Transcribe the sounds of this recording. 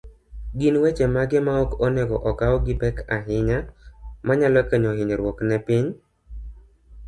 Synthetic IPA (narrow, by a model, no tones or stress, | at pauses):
ɡinwet͡ʃemaɡɪmaɔkɔnɛɡɔʔɔkaɔɡɪbɛkaɦɪɲamaɲalɔkeɲɔɦɪɲɾwɔknɛpɪɲ